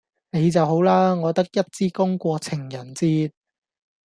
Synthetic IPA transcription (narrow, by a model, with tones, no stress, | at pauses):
ne˨˧jt͡sɐ˨wɦo˨˥wlaː˥ŋɔː˨˧t̪ɐ˥k̚jɐ˥t̚t͡siː˥kʊ˥ŋkʷɔː˧t͡sʰɪ˨˩ŋjɐ˨˩nt͡siː˥t̚